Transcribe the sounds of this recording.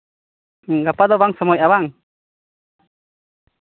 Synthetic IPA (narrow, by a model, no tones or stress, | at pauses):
ɡapad̪ɔwaŋsəmɔjawaŋ